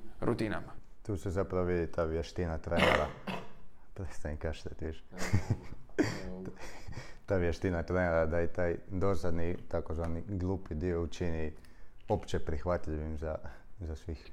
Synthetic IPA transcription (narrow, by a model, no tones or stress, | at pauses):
ɾṵt̪ina̰mat̪uːsezapɾaʋoʋid̪it̪aːʋjeʃt̪inat̪ɾeneɾa̰ | pɾet̪st̪anikaʃt̪at̪ʋiʃ | t̪aːʋjeʃt̪inat̪ɾeneɾad̪ait̪aːjd̪o̞sad̪nit̪akozaniɡlˠuːpid̪iout͡ʃini | o̞pt͡ʃepɾixʋat̪ʎiʋimzazasʋix